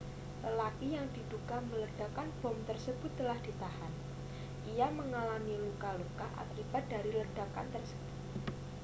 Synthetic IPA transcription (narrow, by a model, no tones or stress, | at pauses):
ləlakijaŋd̥i̤d̪ukamələd̥akanb̥ɔ̤mt̪ərsəbʊt̪ːəlahd̥i̤t̪ahan | ʔiaməŋalamilukalukaʔa̰kib̥at̪̚daɾiləd̥aka̰nt̪ərsə̥b̥ʊt̪̚